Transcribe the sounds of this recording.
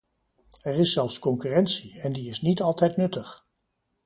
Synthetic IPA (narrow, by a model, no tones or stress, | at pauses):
ɛrɪsːɛlˠfskɔŋkyːrɛntsiɛndiɪsnitɑlˠtɛjtnɵtəχ